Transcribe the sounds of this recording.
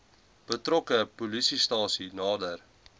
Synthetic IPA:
b̥ətrɔkəpulisistɑːsinɑːdər

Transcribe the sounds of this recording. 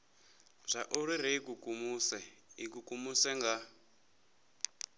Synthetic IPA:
ʐ̥ʷaʔuɾiɾɛikukumuːsɛikukumusɛŋɡa

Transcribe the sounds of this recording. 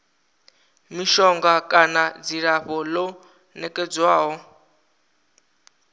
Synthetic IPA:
miʃɔŋɡakʼanad͡ziɺaɸɔlɔ | nɛkʼɛd͡zwaːɦɔ

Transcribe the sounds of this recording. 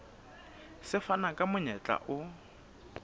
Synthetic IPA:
sɪfanakʼamʊɲɛt͡ɬʼa̰ʔʊ

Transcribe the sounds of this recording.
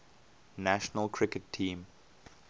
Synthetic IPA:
næʃənəlkʰɹɪkətʰĩːm

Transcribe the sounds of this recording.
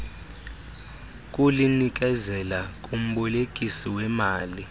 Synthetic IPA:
k̬ʼulinik̬ʼɛzɛlakʼum̩ɓɔlekʼisiwɛmaːli

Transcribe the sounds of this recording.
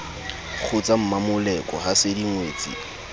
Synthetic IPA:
k͡xʰʊt͡sam̩mamʊlɛkʼɔ̰hasɪdiŋweːt͡sʼḭ

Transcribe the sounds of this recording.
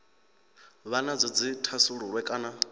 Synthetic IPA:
βanad͡zɔd͡zitʰasuɺuɺwɛkʼaːna

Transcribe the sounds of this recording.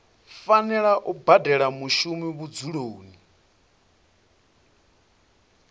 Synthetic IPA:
fanɛɺaʔubadɛɺamuʃumiβud͡zuɺoːni

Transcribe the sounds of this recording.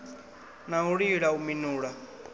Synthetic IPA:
naɦuɺiɺauminuːɺa

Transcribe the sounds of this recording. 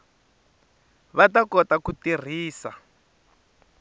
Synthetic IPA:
βatakɔtakutir̤iːsa̰

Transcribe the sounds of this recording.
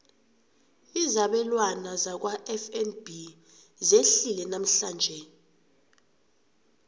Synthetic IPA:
izaɓɛlwanazak̬waʔɛfɛnbi | zeɬilɛnam̩ɬaːnd͡ʒʱɛ

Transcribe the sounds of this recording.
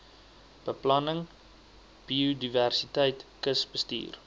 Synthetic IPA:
b̥əplɐnəŋ | b̥iudiværsitɛjtkəsbəstḭːr

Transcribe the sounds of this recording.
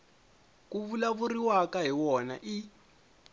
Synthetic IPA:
kuβulaβuriwakaɦiwɔna̰ʔi

